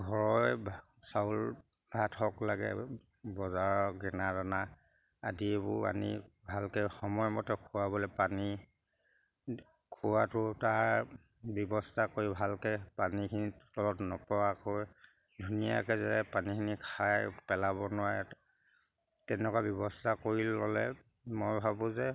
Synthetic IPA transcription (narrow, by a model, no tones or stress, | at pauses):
ɡʱɔɹɔj | saul | bʱathɔklaɡɛ̰ | bɔzaɹɔɡɹɛnadana | a̰dibʊ̰pa̰nḭbʱalkɛxɔmɔjmɔtɛkʰʊwabɔlɛpani | kʰuwatʊtaɹ | bjɔbɔstʰakoɹibʱalkɛpanikʰinittɔlɔtnɔpɔwakɔj | dʱunija̰kɛzɛpanikʰinikʰajpɛlaβɔnʊwaɹɛ | tɛnɔkabjɔbɔstʰakoɹilɔlɛ̰ | mɔjbʱabʊ̃zɛ